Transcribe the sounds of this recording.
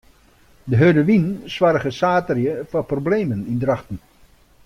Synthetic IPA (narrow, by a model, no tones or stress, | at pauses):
dəɦødəʋinsʋaɾəɣəsaːtərjəfɔprobleːmənindrɑχtən̩